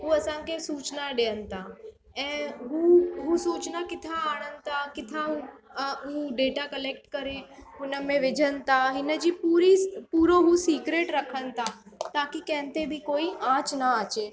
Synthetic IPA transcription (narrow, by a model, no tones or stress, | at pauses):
ɦuɐsãːŋkesuːt͡ʃnaɖeːənt̪ʰa | ɛ̃ːɦuɦusuːt͡ʃnakɪt̪ʰaaːɽ̃ənt̪akɪt̪ʰauɦuːɖeːʈakəleːkʈkəɾeɦʊnəmẽʋɪd͡ʒʱənt̪ʰaɦɪnəd͡ʒipuːɾipuːɾoɦusiːkɾeːʈɾəkʰənt̪ʰa | t̪aːkikɛ̃ːnt̪ebʱikoːiãːt͡ʃnaaːt͡ʃeː